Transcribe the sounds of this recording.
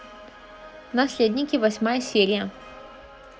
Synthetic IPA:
nɐsʲlʲed̪ʲnʲɪkʲɪvɐsʲmajəsʲeɾʲɪjə

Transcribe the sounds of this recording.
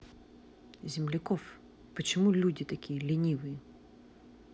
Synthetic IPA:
zʲɪmlʲɪkɔf | pɔt͡ʃɪmulʲudʲit̪ɐkʲijlʲinʲiʋɨjɛ

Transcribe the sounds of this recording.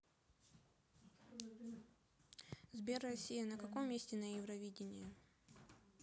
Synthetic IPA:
zbʲerːɐsʲijənəkɐkomːʲesʲtʲɪnɐjɪvɾɐvʲidʲɪnʲɪjə

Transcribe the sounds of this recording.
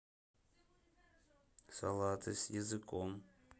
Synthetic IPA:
salˠat̪ʰɨsjɛzɨkʰʼom

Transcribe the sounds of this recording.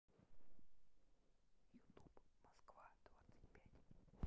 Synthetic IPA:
jʊt̪upmɐskvad̪̥vat̪sə̥tʲpʲætʲ

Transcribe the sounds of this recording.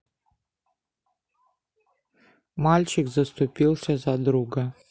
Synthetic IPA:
malʲt͡ʃikzast̪ɔpiwsɛzad̪ɾuɡa

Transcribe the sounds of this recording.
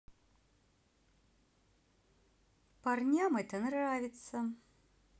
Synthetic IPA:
parnʲamɛt̪ənravʲɪt̪sə

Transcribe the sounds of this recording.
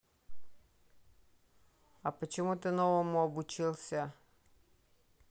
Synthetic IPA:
ɐpət͡ɕɪmut̪ɨnɔvəmʊɐbʊt͡ɕilˠsʲə

